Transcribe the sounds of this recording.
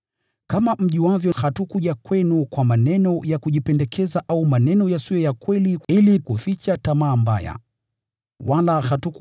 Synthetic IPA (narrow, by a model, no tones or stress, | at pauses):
kamam̩ʄiwavjɔhatukuʄakwɛnukwamanɛnɔjakuʄipɛndɛkʰɛzaʔaumanɛnɔjasijɔjakwɛliilikufit͡ʃatamaːmba̰ja̰ | walahatuk